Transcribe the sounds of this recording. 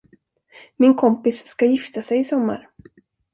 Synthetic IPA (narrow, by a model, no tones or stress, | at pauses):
mɪnkʰɔmpɪsːkajɪft̪asɛjɪsɔmːa̰ɾ